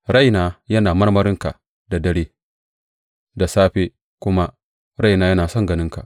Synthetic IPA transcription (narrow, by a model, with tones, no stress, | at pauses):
ɽa˦˨jnaː˨jɐ˦naː˨mɐ˦rmɐ˦ɾɪ˦ŋka˨ | da˨dɐ˦ɽeː˦ | da˨saː˦ɸeː˦ | kʷʊ˦ma˦ | ɾa˦jnaː˦jɐ˦naː˨sɔ˦ŋɡɐ˨nɪ˦ŋka̰˨ʔ